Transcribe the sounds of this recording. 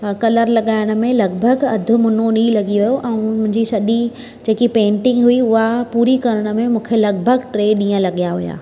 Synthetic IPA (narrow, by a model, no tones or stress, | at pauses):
kɐləɾlɐɠaːɪɽ̃̆mẽlɐɡbʱəɡɐd̪ʱʊ̆mʊnonilɐɡiʋɐjoʔɛ̃ːmʊ̃ɦɪ̃ɲd͡ʑisɐɗi | d͡ʑeːkipẽːɳʈɪ̃ŋɡɦʊiʊɦapuːɾikɐɾəɽ̃ʊ̆mẽmũːkʰelɐɡ̚bʱəɡʈɾeːɗĩːə̃lɐɠijaɦʊ̰ja̰ː